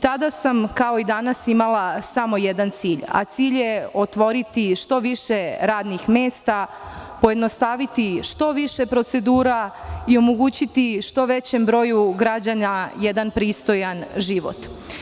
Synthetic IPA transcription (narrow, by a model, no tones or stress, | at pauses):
t̪ad̪asamkao̞id̪anasimalˠasamo̞je̞d̪ant̪siːʎa̰t̪siːʎjeo̞t̪ʋo̞ɾit̪iʃt̪o̞ʋiʃe̞ɾaːd̪nixmeːst̪a | po̞je̞d̪no̞st̪aʋit̪iʃt̪o̞ʋiʃe̞pɾo̞t̪se̞d̪uːɾaio̞moɡuːt͡ɕit̪iʃt̪o̞ʋe̞t͡ɕe̞mbɾo̞juɡɾad͡ʑanajed̪anpɾiːst̪o̞janʒiʋo̞̰t̪